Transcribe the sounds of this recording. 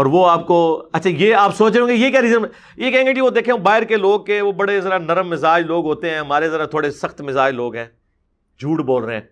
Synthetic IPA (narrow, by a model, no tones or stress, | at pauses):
ɔːɾʋoaːp̚koɐtːʃʰajeːaːpsoːt͡ʃɾeõːɡejekjaːɾiːzəɾm | jekɛɦːŋɡed͡ʒiʋod̪eːkʰẽõbaːɪɾkeloːɡ̚keʋobɐɽezɐɾanɐɾəmːɪzaːd͡ʒloːɡɦoːt̪eɦɛ̃ːɦɐmaːɾezɐɾat̪ʰoːɽesɐxt̪mɪzaːd͡ʒloːɡɦɛ̃ː | d͡ʒʱuːʈboːlɾeɦɛ̰̃ː